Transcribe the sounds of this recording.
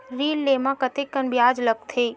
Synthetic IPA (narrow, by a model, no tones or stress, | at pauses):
ɾiːlːemãkət̪ekːənbjad͡ʒləb̚t̪ʰe